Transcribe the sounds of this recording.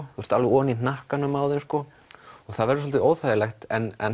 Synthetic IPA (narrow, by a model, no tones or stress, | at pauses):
θust̪alvɪɔːninahkanʏmaːwðɪmskɔ | ɔɣθaðvɛɾʏsɔlt̪ɪoːwθaːjɪlɛxt̪ɛnɛ̰n